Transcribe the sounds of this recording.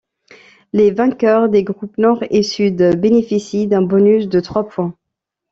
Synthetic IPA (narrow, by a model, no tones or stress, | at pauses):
levɛ̃kʲœʁd̪eɡʁupnɔʁesyd̪benefisid̪ɛ̃bɔnysd̪ət̪χwapwɛ̃